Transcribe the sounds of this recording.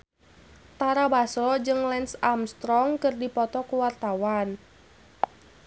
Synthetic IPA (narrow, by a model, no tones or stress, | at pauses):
t̪aɾabaslɔd͡ʒɨŋlɛnsamst̪ɾɔŋkɨrdipɔt̪ɔkuwart̪awan